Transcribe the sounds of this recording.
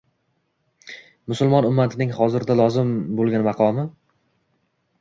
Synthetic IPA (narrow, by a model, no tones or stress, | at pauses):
mʊsʊlˠmɒnʊmːat̪ʰɪnɪŋχɒzɪɾd̪alˠɒzɪmbolˠɡʲanmɑqʰɒmɪ